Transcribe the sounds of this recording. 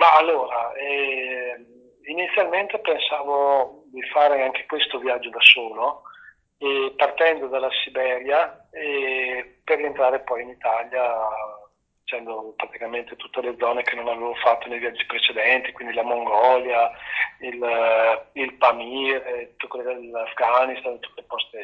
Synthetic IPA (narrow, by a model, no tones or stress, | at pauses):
maːlːoːɾaɛ | init̪sːjalment̪epensaːvod̪ifaːɾeaŋk̟e̥kwest̪ovjad͡ʒːod̪asoːlo | epart̪ɛnd̪od̪alːasibɛːɾja | eperːient̪ɾaːɾepɔjinit̪alja | d̪it͡ʃɛnd̪opɾat̪ikament̪et̪ut̪ːeled̪zːɔːnekenonaveːvofat̪ːonejvjad͡ʒːipɾet͡ʃed̪ɛnt̪i̥kwind̪ilamoŋɡɔljail | ilpamiːɾet̪ut̪ːekwelːod̪elafɡanist̪ant̪u̥t̪elpɔst̪e